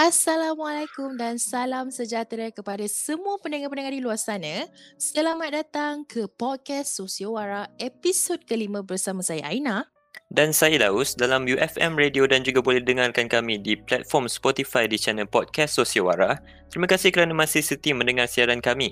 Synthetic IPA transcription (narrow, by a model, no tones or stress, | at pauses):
ʔasalamalakumdansalamsəd͡ʒat̪ɾakəpadasəmũapəndəŋapənəŋãdiluarsanə̃səlamat̪̚dat̪aŋkʰəpɔt̚kɛsːosiawaɾaepisod̚kəlimə̃bərsamãsajaʔaina | dansajadaʊsdalamjuʔɛfɛmrediodand͡ʒuɡabolɛhdəŋarkankamĩdiplɛt̪̚fɔrmspɔt̪ifajdit͡ʃɛnəlpɔd̚kɛsːosiawa̰ɾa | t̪əɾimãkasɪhkəɾanamãsisət̪imə̃ndəŋarsiaɾankamĩ